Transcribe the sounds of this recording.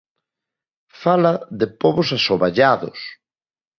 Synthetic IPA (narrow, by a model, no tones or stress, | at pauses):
falaðepoβosasoβaʎaðʊ̰s